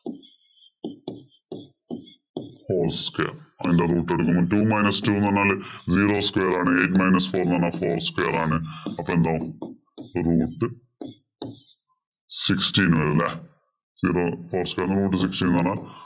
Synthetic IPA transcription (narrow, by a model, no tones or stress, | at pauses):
hoːlskwḛːrɐðinderuːʈːeɽukːumoːtuːmɐjnɐstuːnɐnːaːlziːɾoːskwejɐɾaːɳɨeːtːmɐjnɐsfoːɾnɐnːaːfo̰ːrskweːɐɾaːɳɨɐpːoːend̪aːʋum | ruːʈːɨ | sikstiːnʋɐɾilːɐ̰ | ziːɾoːfoːrskweːɾnruːʈːɨsikstiːnnanːaːl